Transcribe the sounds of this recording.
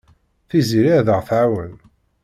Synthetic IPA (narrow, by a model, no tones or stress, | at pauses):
θiziɾaðəʁθʕawən